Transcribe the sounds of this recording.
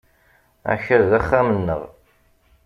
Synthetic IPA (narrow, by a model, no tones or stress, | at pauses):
æ̰çəɾðæχːæmənːəʁ